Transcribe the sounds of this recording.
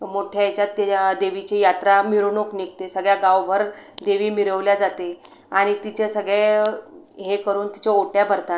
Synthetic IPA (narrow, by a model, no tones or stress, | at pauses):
moʈʰjajt͡ɕjat̪ːd̪eʋit͡ɕejat̪ɾamiɾunoknik̚t̪esəɡɭjaɡawbʱəɾd̪eʋiːmiɾəʋljad͡zat̪e | aɽ̃it̪it͡ɕesəɡɭe | ɦekəɾuːnt̪i̥t͡ɕeoʈjabəɾt̪a